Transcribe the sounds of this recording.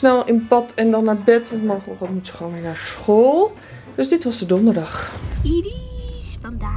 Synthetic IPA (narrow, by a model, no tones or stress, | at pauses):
snɛlˠɪnpɔtʰɛndɔnːabɛtʋɔntmɔrkoxɔtmutjəxoːninasxoːlˠ | d̥øsdɪtʋɔsdədondədɑx